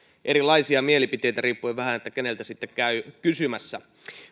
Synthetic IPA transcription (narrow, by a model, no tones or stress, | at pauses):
ʔeɾilɑisiɑmielipit̪ejt̪æriːpːuiʋæhænet̪ːækenelt̪æsit̪ːekkæykysymæsːæ